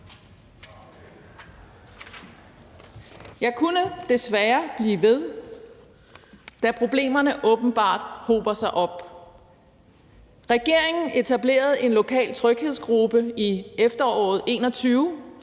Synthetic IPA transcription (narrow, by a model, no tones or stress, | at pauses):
jɑ̈ɪkʰunəd̥e̝sʋæɐb̥liːʋe̝ð̞ˠ | d̥æpʰʁo̝b̥le̝̰ːmɐnəʔɔ̽ːb̥n̩b̥ɑ̰̈ːd̥ho̝̰ːb̥ɐsɑ̈ɪʔɒ̽b̥ | ʁɛɡ̥e̝ɐ̰e̝ŋn̩e̝t͡sʰæb̥le̝̰ːɐð̞̩ˠe̝nlo̝kʰɛ̰ːlt͡sʰʁœɡ̥heðˠsɡ̥ʁub̥əiefd̥ɐɒ̰ːð̞̩ˠe̝̰ːnɒ̽t͡sʰyːʊ